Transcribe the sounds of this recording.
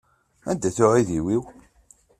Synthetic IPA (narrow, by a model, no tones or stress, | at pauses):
ænd̪æθʊʕiðiwiw